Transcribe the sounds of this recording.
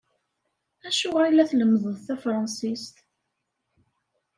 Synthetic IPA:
æʃʊʁæjlːæθləmːəðˤəðθæfɾˤɑnsist̪

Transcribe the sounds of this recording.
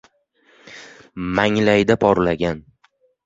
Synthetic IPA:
maŋlajd̪apʰɒɾlaɡʲan

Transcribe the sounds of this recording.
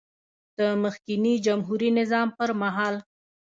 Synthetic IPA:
d̪̥əməxkinid͡ʒamɦuɾinɪzɑmpəɾmaɦɑl

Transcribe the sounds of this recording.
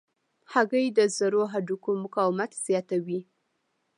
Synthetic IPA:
haɣəjd̪əzəɾoɦaɖukomʊkɑwɪmat̪z̥jɑt̪awi

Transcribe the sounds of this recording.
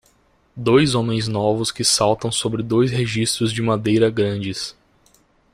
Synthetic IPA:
d̪ojzõmẽj̃znɔvʊskɪsawt̪ɐ̃w̃sobɾɪd̪ojsɦeʒist̪ɾʊzd͡ʒɪmad̪ejɾɐɡɾɐ̃d͡ʒɪs

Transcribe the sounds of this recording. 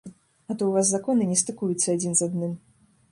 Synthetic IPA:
ɐt̪ɔwvaszakɔnɨnʲɛst̪ɨkujut̪sːɐad͡zʲinzad̪nɨm

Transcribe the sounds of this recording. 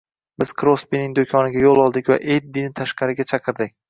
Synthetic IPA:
bɪz̥kʰɾospinɪŋd̪okʲʰɒnɪɡʲajolˠɒlˠd̪ɪkʲva̰ʔet̪̚d̪ɪnɪt̪ʰaʃqɑɾɪɡʲat͡ʃʰɑqʰɨɾd̪ɪk̚ʲ

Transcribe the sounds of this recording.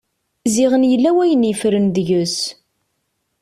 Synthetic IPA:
zɪʁənjəlːæwæjənjəfɾənðʝəs

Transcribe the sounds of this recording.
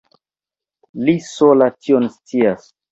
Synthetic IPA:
lisolatʰionst͡sias

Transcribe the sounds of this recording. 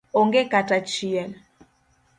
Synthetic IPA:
ɔŋɡɛkatat͡ʃiɛl

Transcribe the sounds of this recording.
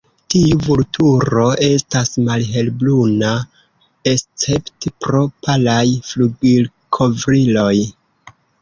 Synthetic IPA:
tiuvultʰuɾo̞e̞stasmalɦe̞lbluna | est͡se̞ptpɾo̞pʰalajfluɡil | kʰo̞vɾilo̞j

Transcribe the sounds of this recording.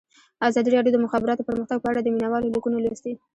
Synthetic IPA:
azɑd̪iɾɑɖjod̪əmʊxɑbɪɾɑt̪opəɾməxt̪aɡ̚pəaɽad̪əminawɑlolokunolast̪i

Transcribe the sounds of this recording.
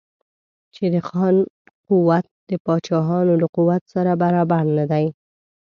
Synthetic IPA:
t͡ʃed̪əxɑn | quwat̪̚d̪̥əpɑt͡ʃɑɦɑnoləquwat̪saɾabaɾɑbaɾnad̪aj

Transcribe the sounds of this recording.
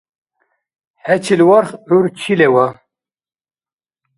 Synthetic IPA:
hɛt͡ʃʰilwɑɾχuɾt͡ʃʰilɛwa

